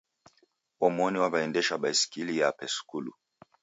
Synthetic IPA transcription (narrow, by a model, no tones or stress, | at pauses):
wɔmɔniwavaɛndɛʃaɓaisi̥kilijapɛsu̥kulṵ